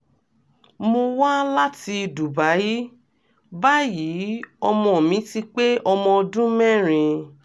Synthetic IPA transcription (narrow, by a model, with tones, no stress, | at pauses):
mo˧wa˦la˦ti˧˨du˨ba˨˦ji˦ | ba˦ji˨˦ɔ˧mɔ̃˧˨mĩ˨˦ti˦k͡pe˦ʔɔ˧mɔ̃˧ɔ˧dũ˦mɛ̃˦˨ɾ̃ĩ˧